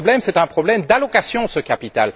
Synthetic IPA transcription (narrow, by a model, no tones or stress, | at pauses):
blɛmsɛt̪ɛ̃pχɔblɛmd̪alɔkasjɔ̃səkapit̪a̰l